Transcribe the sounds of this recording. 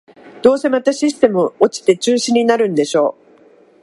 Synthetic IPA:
d̪̥o̞ːse̞mat̪aɕisɨ̥t̪e̞mɯoot͡ɕi̥t̪e̞t͡ɕɨːɕĩɲ̟ːinaɾɯ̟̃nd̪e̞ɕo̞ː

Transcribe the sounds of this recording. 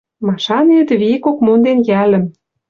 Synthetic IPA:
mɑʃɑnet̪βikokmond̪enjælə̆m

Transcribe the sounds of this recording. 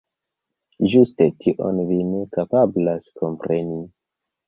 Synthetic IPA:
ʒuste̞tʰiʔo̰nvine̞kapablaskʰo̞mpɾe̞ni

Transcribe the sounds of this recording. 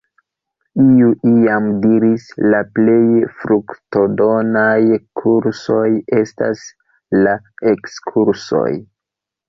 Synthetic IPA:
iuʔiamdiɾislaple̞jfɾukto̞do̞najkʰuɾso̞je̞sta̰s | la | ekskʰuɾso̞̰j

